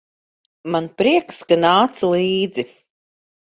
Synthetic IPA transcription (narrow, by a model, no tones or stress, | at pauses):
manpɾiɛkskanaːt̪sulˠiːd̪zi